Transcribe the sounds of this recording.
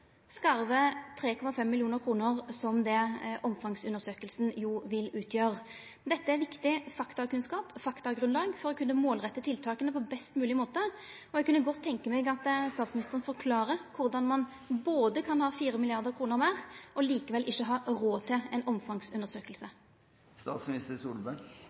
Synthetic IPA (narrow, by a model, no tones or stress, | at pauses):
skɑɾʋət̪ʰʁeːkʰɔmɑfɛmːɪlɪuːnəɾkʰʁuːnəʁsɔmd̪ɛʔɔmfɑŋsʉnəɾsøːkəlsnjuːʋɪlʉːt̪ʰjøːʁ | d̪ɛt̪ːəæɾʋɪkt̪ɪfɑkt̪ɑkʉnskɑːpfɑkt̪ɑɡɾʉnlɑːɡfɔɾɔkʰʉnːəmoːlʁɛt̪ːət̪ʰɪlt̪ʰɑːkənəpɔbɛst̪mʉːlɪmoːt̪ə | ɔɛɡ̚kʉnːəɡɔt̪ʰːɛŋkəmɛɡɑt̪st̪ɑːt̪smɪnɪst̪əʁənfɔʁkʰlɑːʁəkʰʊʁd̪ɑnmɑn | boːd̪əkʰɑnhɑːfiːʁəmɪlɪɑʁd̪əʁkʰɾʁuːnəʁmæːʁʔɔliːkəʋɛlʔɪçːəɦɑːʁoːt̪ʰɪlɛnɔmfɑŋsʉnəʁsøːkəlsə | st̪ɑ̰ːt̪smɪnɪst̪əɾsuːlbæ